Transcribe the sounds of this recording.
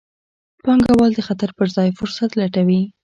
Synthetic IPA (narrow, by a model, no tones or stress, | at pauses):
pɑŋɡawɑld̪əxat̪aɾpəɾzɑjfʊɾsat̪laʈawi